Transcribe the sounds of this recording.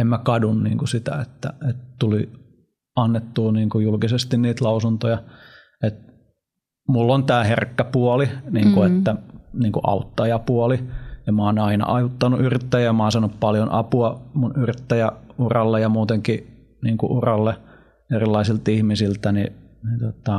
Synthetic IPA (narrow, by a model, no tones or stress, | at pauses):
emmækɑdunnḭːŋkusit̪æ̰ḛt̪ːæ̰et̪t̪uli | ɑnːet̪ːuːniːŋkujulkisest̪inniːt̪lɑusunt̪ojɑ | et̪̚ | mulːont̪æːherkːæpuoliniːŋkuet̪ːæniːŋkuʔɑ̰ut̪ːɑjɑpuolijɑmɑːnɑinɑ̰ʔɑjut̪ːɑnuʔyrit̪ːæjæjɑmɑˑːnsɑnuppɑljonʔɑpuɑmunyrit̪ːæjæurɑlːejɑmuːt̪eŋki | niːŋkṵʔurɑlːe | erilːɑisilt̪ihmisilt̪æninit̪ot̪ɑ